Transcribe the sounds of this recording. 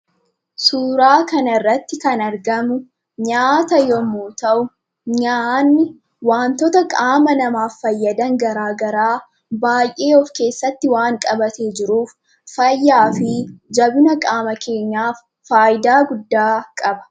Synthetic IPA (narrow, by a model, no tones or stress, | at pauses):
suːɾaːkɐnɐɪrːɐt̪ːɪkɐnɐɾɡɐmʊ | ɲaːt̪ɐjɔmuːt̪ɐʔʊ | ɲanːɪ | waːnt̪ɔt̪ɐkʼaːmɐnɐmaːfːɐjːɐd̪ɐŋɡɐɾaːɡɐɾaː | baːjʔeːɔfke̞ːsːɐt̪ːɪwaːŋkʼɐbɐt̪eːd͡ʒɪɾuːfː | ɐjːaːfɪd͡ʒɐbʊnɐkʼaːmɐkʰe̞ːɲːaːfːaːjɪd̪aːɡʊd̪ːaːkʼɐbɐ̥